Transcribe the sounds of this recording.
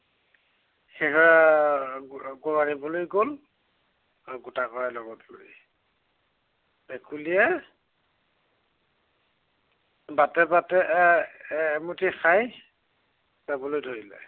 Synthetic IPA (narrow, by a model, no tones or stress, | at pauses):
xekɔa | ɡɔɹaɹibɔlojɡol | ɡutakɔɹalɔɡɔto̰ɹḭ | bɛkʰulijɛ | batɛbatɛː | mutʰixaj | zabɔlojdʱoɹilɛ̰